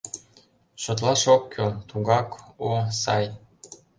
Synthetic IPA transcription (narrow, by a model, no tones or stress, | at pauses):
ʃot̪̬lɑʃokʰːøt̪uɣɑkosɑj